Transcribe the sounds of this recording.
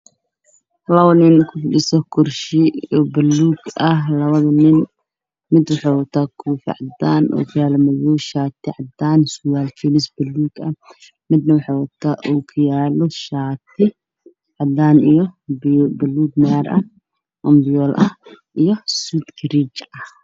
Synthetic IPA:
hlɐwɐlɪnkʰʊfɪɗɪsɔkʰʊrʃɪɔbɐlːuːɡɐɦlɐβɐðɐnɪn | mɪd̪wɑħaːwɐt̪ʰaːkʰuːfɪ̰ʕɑd̪aːnʔṵːkʰʊjaːlɔmɐjuʃaːt̪ʰɪʕɑd̪aːnsʊwaːlt͡ʃɛlɪsbɐlːuːɡɐ | mɪd̪nɐwɑħaːwɐt̪ʰaːʔukʰʊjaːlɔʃaːt̪ʰɪ | ʕɑd̪aːnijɔbbɐlːuːɡmaɾʔɐ | ʔɔmbɪjɔːlʔɐh | ʔijɔsuːt̪ɡɾit͡ʃɐh

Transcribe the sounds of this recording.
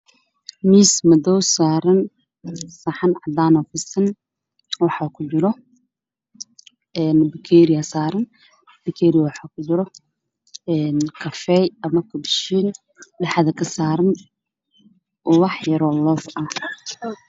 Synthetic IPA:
miːsmɐdɔwsaːɾɐn | sɐħɑnʕɑd̪aːnɔfɪsɐn | wɑħɑkʰʊd͡ʒɪɾɔ | ɛːnbɪkʰɛːɾɪjɐsaːɾɐn | b̥ɪkʰɛːɾɪjɐwɑħɑkʰʊt͡ʃɪɾɔ | ɛːnkʰɐfɛjɐmɐkʰʊbʃiːn | ɖɛħðɐkʰɐsaːɾɐn | ʔɔwɑħjɐɾɔlɔfɐ

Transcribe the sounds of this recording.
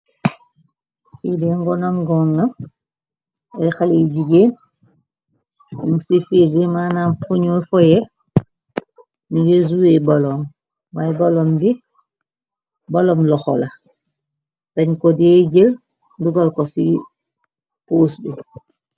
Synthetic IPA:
fidɛŋɡɔnamɡɔŋna | ɛxalid͡ʒiɡen | unsifiɡimanamfuɲɔfɔjɛ | niɡezuwɛbalɔm | majbalɔmbi | balɔmlɔxɔla | tɛɲkɔdɛd͡ʒelduɡalkɔsi | poːsbɛ

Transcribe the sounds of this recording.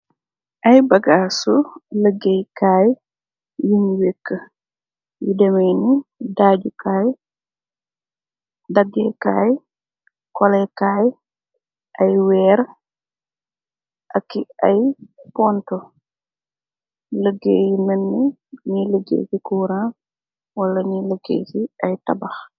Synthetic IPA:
ʔajbaɡaːsuləɡejkaːj | jumwekːə | jḭdɛmɐjnidaːɟukaːj | daɡːɛkaːj | kɔlɛjkaːj | ʔɐjwɛːɾ | ʔɐkːiɐjpɔntɔ | ləɡːḛjinənːi | ɲiləɡḛːsikuːɾa | wɐlːɐɲiləɡːḛːsiɐjtɐbɐx

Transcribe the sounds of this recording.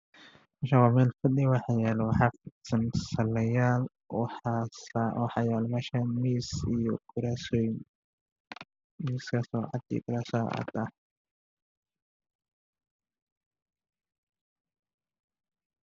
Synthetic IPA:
mɐʃawaːmɛːlfɐɗɪjwɑħɑjɛːlɛwɑħɑːfɪsɐnsɐlɛjaːl | swɑħɑːjɛːlɛmɛʃamiːsijɔɡ̥ʊɾaːsɔj | miːskʰɐsɔːʕɑ̰d̪ḭːɡʊɾaːsaːʕɑ̰d̪ɐ

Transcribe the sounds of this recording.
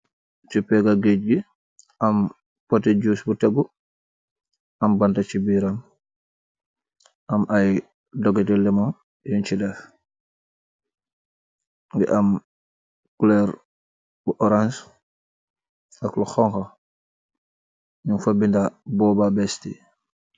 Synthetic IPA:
t͡ʃupɛɡaɡeɟbi | ʔam | pɔtɛɟuːsbutaɡu | ambantat͡ʃibiɾam | ʔamaj | dɔɡɛtɛlɛmɔŋ | jɔnt͡ʃidɛf | dḭʔam | kulɛɾ | buʔɔɾans | akluxɔŋkɔ | ɲunfabːindabɔːbabɛstḭ

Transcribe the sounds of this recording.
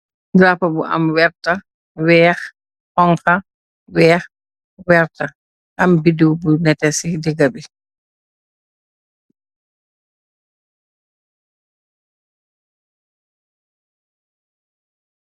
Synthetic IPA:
ɡɾapɐbuʔɐ̰mwɛɾtɐ | wɛːx | hɔŋxɐ | wɛːx | wɛɾtɐ | ʔɐmbidubunɛtɛsidɛɡɐbi

